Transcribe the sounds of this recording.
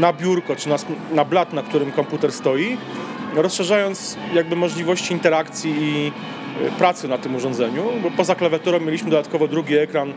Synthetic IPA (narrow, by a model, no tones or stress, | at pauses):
nabʲjuɾkɔt͡ʂɘnasnablat̪nakt̪uɾɘmkɔmput̪ɛɾst̪ɔjiɾɔsʂɛʐajɔnt̪sjaɡ̚bɘmɔʐlʲivɔɕt͡ɕiːnt̪ɛɾakt̪sʲjiː | pɾat̪sɘnat̪ɘmuʐɔnd̪zɛɲubɔpɔzaklavʲjat̪ɔɾɔmʲjelʲiɕmɘd̪ɔd̪at̪kɔvɔd̪ɾuɡʲiɛkɾan